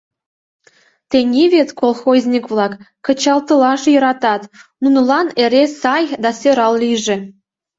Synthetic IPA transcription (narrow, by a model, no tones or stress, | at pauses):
t̪enʲeβet̪kolˠxozʲnʲikβlˠɑkː | ə̆t͡ɕɑlˠt̪ɤ̆lɑʃjɤ̆ɾɑt̪ɑt̪nunə̆lɑneɾesɑjd̪ɑsʲøɾɑlˠlijʒĕ